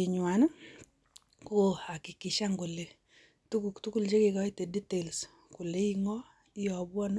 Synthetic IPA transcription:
i˨ɲwa˨n˦ | ko˨a˨ki˨ki˨ʃa˦ŋɡu˨le˨ | tu˦ku˨ktu˦ku˦lt͡ʃe˦ke˨kɔ˦i˦te˨di˦te˨ls | ku˨le˦i˦ŋɔ˦ | i˦jɔ˨bwɔ˦n˦

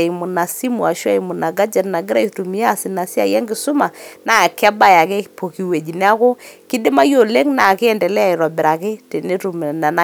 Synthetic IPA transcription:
i˨mʊ˨na˨si˦mu˨a˨ʃwa˦jmʊ˨na˨ɡa˦d͡ʒa˨tna˨ɡɪ˦ɾa˦jtu˨mi˨˦a˦sɪ˨na˨si˦a̰˦jɛ˦ŋɡɪ˨sʊ˦ma˨na˦a˨ka˦ba˦ja˨ke˦po˨ki˨we˨d͡ʒi˨n˦a˦ko˦ki˦dɪ˦ma˦jo˨le˦ŋna˨ke˦ɛ˨ndɛ˨lɛ˦a˦˨ɪ˨ɾɔ˨bɪ˨ɾa˨ke˦te˨ne˦tu˨m˨na˨na˦

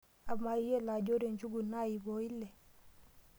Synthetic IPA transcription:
a˨bma˨i˦je˦˨la˨d͡ʒo˦ɾe˨nd͡ʒu˦ɡu˨na˦˨ji˨bo˨i˦le˨

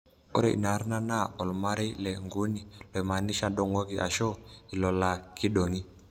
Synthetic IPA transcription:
ɔ̰˦ɾɛ̰˦˨ʔḭ˨na˨ɾi˦na˦na˦ɔ˨lu˨ma˦ɾi˦lɛ˨ŋɡu˦ni˨lɔ˨i˨ma˨ni˦ʃa˨ɗɔ˨ŋɔ˦ki˨ʔa̰˨ʃɔ˦i˨lɔ˨la˨ki˦ɗɔ˨ŋi˦

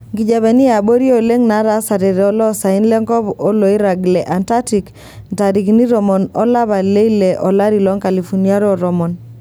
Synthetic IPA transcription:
ŋɡi˨d͡ʒa˨βɛ˨ni˦a˨bo˦ɾjo˨le˦ŋna˨˦ɾa˨˦sa˨ɾe˨ɾɛ˨ɔ˦lɔ˦sa˨ɪ˦nlɛ˦ŋɡɔ˦bo˦lo˨i˦ɾa˨ɡlɛ˨ʔa˨nta˦ti˨k | n˨ta˨ɾi˨kni˦ɾɔ˨mɔ˨nɔ˦la˦βa˨le˦i˦le˨ʔɔ˨la˦ɾi˨lɔ˨˦ŋka˨li˨fu˨ni˦a˦ɾɔ˦˨ɾɔ˨mɔ˨n

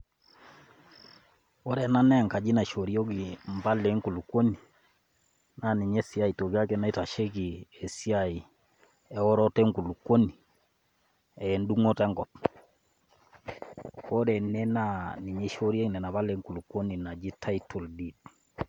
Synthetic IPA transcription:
ɔ˦ɾɛ˨na˦nɛ˦˨ŋka˨d͡ʒi˦na˨ʃɔ˨ɾi˦o˦ɣi˨mba˦lɛ˨˦ŋku˨lukwo˦ni˨ | na˨ni˨ɲɛ˦si˦a˦i˨to˨ɣia˦kɛ˦na˦i˦ta˨ʃe˦ɣi˨e˨si˦ai˨ | ɛ˦ɔ˦ɾɔ˦tɛ˦ŋku˨lu˨ko˦ni˨ | ɛ˨ndu˦ŋɔ˦tɛ˦ŋɡɔ˨p | ɔ˦ɾɛ˨nɛ˦na˦ni˨ɲe˦ʃɔ˦ɾi˦a˦ɣinɛ˨na˨βa˦lɛ˦ŋku˨lukwo˦ni˨na˨d͡ʒi˦tʰa˦itʰɔ˨ldid

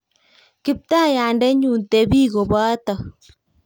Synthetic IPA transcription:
kɪ˦p̚t̪a˦˨ja˨ndɛ˦ɲu˨nte˨βi˦ɣo˨βa˦t̪a˨

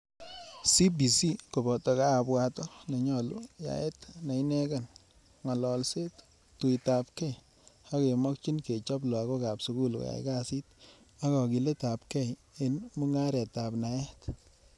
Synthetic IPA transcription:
si˦bi˨si˦ko˨bɔ˨tɔ˨kaː˦˨bwa˨tɔ˦na˨ɲɔ˨lʊja̰˨ɛ˦tna˨i˦nɛ˦ka˨n | ŋɔ˨lɔ˨lse˦t | tu˨jta˨p̚kɛ˦j | a˦ke˨mɔ˦kt͡ʃi˦nke˨t͡ʃɔ˦b̬lɔ˨a˨kɔ˦ka˨psu˦ku˦lka̰˨ɪ̰˦ka˦si˦t | a˦kɔ˨ki˨le˦ta˨p̚kɛ˦j | ɪ˦nmu˦ŋa˦ɾɛ˨ta˨pna˨jɛ˦t

